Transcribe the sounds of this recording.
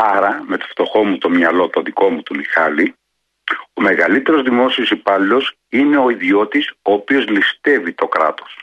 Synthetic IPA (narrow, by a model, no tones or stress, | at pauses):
ɐɾɐme̞t̪o̥ft̪o̞xo̞mut̪o̞mɲɐlo̞t̪o̞ðiko̞mut̪umixɐli | o̞me̞ɣɐlit̪e̞ɾo̞zðimo̞sio̞sipɐlio̞s | ine̞o̞iðio̞t̪iso̞ːpio̞zlist̪e̞vit̪o̞kɾɐ̰t̪o̞̥s